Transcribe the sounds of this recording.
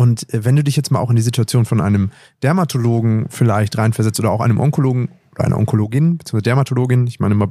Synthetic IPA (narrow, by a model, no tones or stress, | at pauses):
ʔʊntɛvɛnduːdɪçjɛt͡stmaːlaʊxɪndiːzituat͡sjoːnfɔnʔa̰ɪnəm | d̥ɛɐmatʰoloːɡŋ̩fɪlaɪçtʁaɪnfɛɐzɛt͡stʔoːdɐaʊxʔa̰ɪnəmʔɔŋkoloːɡŋ̩oːd̥əɐʔaɪɐʔɔ̰ŋkʰoloːɡɪnbtt͡siːŋsvazdɛɐmatʰoloːɡɪnnɪçma̰ɪnəmaː